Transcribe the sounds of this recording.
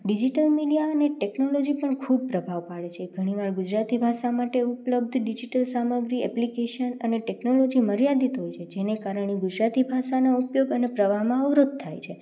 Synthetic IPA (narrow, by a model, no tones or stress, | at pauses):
ɖid͡ʒiʈəlmiɖijaəneʈeknolod͡ʒipəɳkʰub̚pɾəbʱaʋpaɭet͡ʃʰeɡʱəɽ̃iʋaɾɡud͡ʒɾat̪ibʱaʃamaʈeupləb̚d̪ʱɖid͡ʒiʈəlsaməɡɾiɛ̰plikeʃənəneʈeknolod͡ʒiməɾjad̪it̪ɦojt͡ʃʰed͡ʒenekaɾəɽ̃eɡud͡ʒɾat̪ibʱaʃanoupjoɡənepɾəʋaɦmãəʋɾod̪̚t̪ʰa̰jt͡ʃʰe